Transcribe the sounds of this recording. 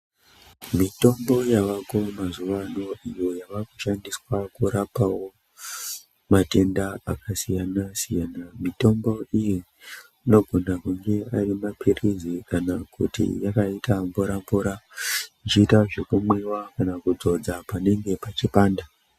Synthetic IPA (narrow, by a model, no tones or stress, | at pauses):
mito̞mbo̞jaʋako̞mazuʋano̞ijo̞jaʋakuʃandiswakuɾapawo̞ | mate̞ndaakasijanasijaːnamito̞mbo̞iji | ino̞ɡʱo̞nakuŋɡe̞arimapirizikanakṵtḭjakaitambuɾambuɾait͡ʃiːtaʐe̞kumwewakanakud͡zo̞d͡zapane̞ŋɡe̞pat͡ʃipaːnda